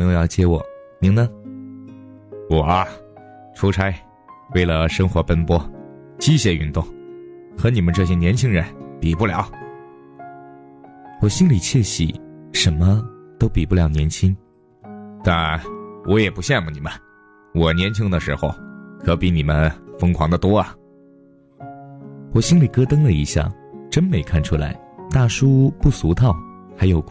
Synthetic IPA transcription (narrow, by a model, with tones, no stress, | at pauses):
ɤ˧ŋjo˧ʊjɑ˥˧ʊt͡ɕjɛ˥wɔ˨˩˦ni˧˥ŋnə˧ | wɔ˨˩ɐ˦ | ʈ͡ʂʰu˧˥ʈ͡ʂʰa˥ɪ | we˥˩ɪlə˩ʂɤ˥ŋxwɔ˧˥pə˥npwɔ˥ | t͡ɕi˥ɕjɛ˧y˥˧nt̪ʊ˥˩ŋ | xɤ˧˥ni˨˩mə˧˦nʈ͡ʂɤ˥˩ɕ̬jɛ˥njɛ˧˥nt͡ɕʰi˥ŋɻə˧˥npi˨˩pu˥˩ljɑ̰˨˧˥ʊ | wɔ˨˩ɕi˥nli˨˩t͡ɕʰjɛ˥˩ɕḭ˨˩ʂə˧˥nmə˧t̪o˥ʊpi˨˩pu˥˩ljɑ˨˩ʊnjɛ˧˥nt͡ɕʰi˥ŋ | t̪a˥˩nwʔɔ˧˥jɛ˨˩pu˧˥ɕjɛ˥˩nmu˨˩ni˨˩mə˦n | wɔ˨˩njɛ˧˥nt͡ɕʰi˥ŋd̪ə˨˧ʂɻ̩˧˥xo˧˩ʊkʰɤ˧˥pi˧˥ni˨˩mə˦nfɤ˥ŋkʰwɑ̰˧˥ŋd̪ə˨t̪wɔ˥ɐ˨˩ | wɔ˨˩ɕi˥ŋli˨˩kɤ˥t̪ɤ˥ŋlə˨i˧˥ɕja̰˥˩ʈ͡ʂə˥nme˧˥ɪkʰa˥˩nʈ͡ʂʰu˥la̰˧˥ɪ | t̪a˥˩ʂu˥pu˥˩su˧˥t̪ʰɑ˥˩ʊ | xa˧˥ɪjo˨˩ʊ